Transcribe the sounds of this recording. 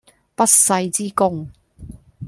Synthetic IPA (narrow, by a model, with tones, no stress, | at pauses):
pɐ˥t̚sɐ˧jt͡siː˥kʊ˥ŋ